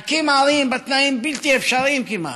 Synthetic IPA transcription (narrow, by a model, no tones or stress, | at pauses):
kimaːlimbɐt̪naːimbilt̪iefʃaɾiːmkima̰